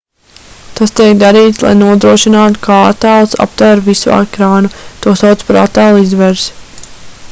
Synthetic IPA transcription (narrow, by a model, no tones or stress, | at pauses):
t̪ast̪iɛkd̪aɾiːt̪slˠa̰jnuɔd̪ɾuɔʃinaːt̪u̥kʰaa̰t̪aːlˠsa̰p̚t̪væɾvisua̰kɾaːnut̪uɔsawt̪spaɾat̪aːlˠizʋɛɾs